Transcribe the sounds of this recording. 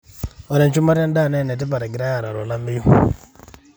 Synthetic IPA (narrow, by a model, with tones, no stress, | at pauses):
ɔ˨ɾɛ˨nt͡ʃu˦ma˦ɾa˦nda˦˨nɛ˦˨nɛ˨t̬ɪ˦pa˨ɾɛ˨ɡɪ˨ɾa˦ja˨ɾa˨ɾɔ˨la˦mi˦ju˦